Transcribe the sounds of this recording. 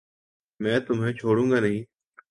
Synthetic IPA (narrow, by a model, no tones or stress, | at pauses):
mɛ̃ːt̪ʊmɦẽːt͡ʃʰoːɽũːŋɡaːnɐɦĩː